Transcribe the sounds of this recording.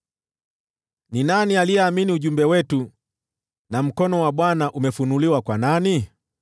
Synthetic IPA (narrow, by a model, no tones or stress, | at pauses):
ninanialiɛaminiuʄumbɛwɛtu | nam̩kɔnɔwaɓwanaʔumɛfunuliwakwanani